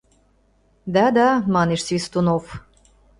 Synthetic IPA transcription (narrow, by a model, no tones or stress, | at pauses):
d̪ɑd̪ɑmɑneʃsvʲist̪unof